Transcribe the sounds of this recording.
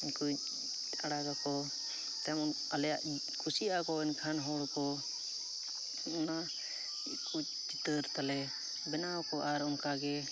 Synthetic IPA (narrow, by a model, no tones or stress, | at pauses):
iɲku | aɽaɡakɔ | t̪ɛm | alɛjaʔ | kʰusiakɔɛnkʰanɦɔɽkɔ | ɔna | kut͡ʃ | t͡ʃit̪əɾt̪alɛ | bɛnawkɔʔaɾɔmkaɡɛ